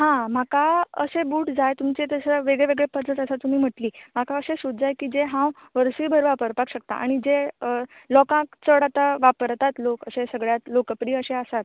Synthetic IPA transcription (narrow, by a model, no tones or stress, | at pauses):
ɦãmakaə̰sebuːʈd͡zajt̪umt͡set̪əsəʋeɡɭeʋeɡɭepətət̪əsat̪um̤iːm̤əʈliːm̤akaəsesud̪d͡zajkiːd͡zeɦãw | ʋəɾsiːbʱəɾʋapəɾpakɕək̚t̪a̰ʔa̰ɽ̃id͡zeəlɔkãkt͡səɽat̪aʋapəɾt̪at̪lokəsesəɡɭjat̪lokəpɾiːəseəsat̪̚